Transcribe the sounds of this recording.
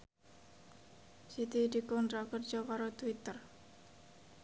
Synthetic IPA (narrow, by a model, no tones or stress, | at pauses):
sit̪id̪i̤kɔnt̪ɾakərd͡ʒɔkaɾot̪wit̪ər